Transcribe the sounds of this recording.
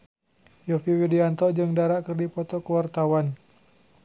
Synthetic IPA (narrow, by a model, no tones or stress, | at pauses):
jɔfiwidiant̪ɔd͡ʒəŋdaɾaʔkərdipɔt̪ɔkəwart̪awan